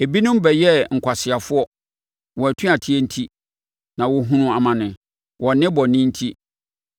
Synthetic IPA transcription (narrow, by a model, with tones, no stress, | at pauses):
e˨bi˦nʊ̃˦m˦bɛ˨jɛ˦ŋ̩˨kʷʰa˨sɪ˨a˨fʊ˦ɔ˦ | wɔ˨æ˨tʰũ˦a˨tʰi˦ɛ˦n̩˦tʰi˦ | nã˨wɔ˦ɦũ˦nʊ̃˦a˨mã˨nɪ̃˨ | wɔ˨nɪ̃˦bɔ˨nɪ̃˦n̩˦tʰi˦